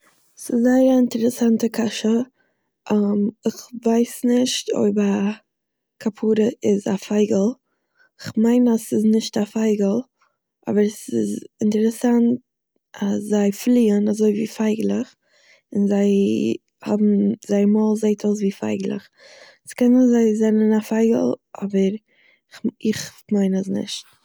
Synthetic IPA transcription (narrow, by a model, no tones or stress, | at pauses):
sɪszaɪəɾaɪntɛɾɛsantəkʰaʃə | ʔmɪχvaɪsnɪʃto̰ɪbəɾa | kʰapʰuːɾəʔɪzafaɪɡəlˠ | ɪχmaɪnasɪznɪʃtafaɪɡəlˠ | ʔɔ̰bəɾsɪ̰zɪntɛɾɛsant̚ | aszaɪflˠiːənazoɪvḭːfaɪɡlˠəχ | ɪnzaɪ | hɔ̰bm̩z̥aɪmɔlˠzeɪtʰoʊs̬viːfa̰ɪɡlˠə̰χ | skɛnɪzaɪzɛnənafaɪɡə̰lˠʔɔ̰bəɾ | χɪχmaɪnəsnɪ̰ʃt̚